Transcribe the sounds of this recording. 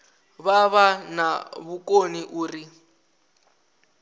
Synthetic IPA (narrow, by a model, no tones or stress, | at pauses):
βaβanaβukoniʔuːri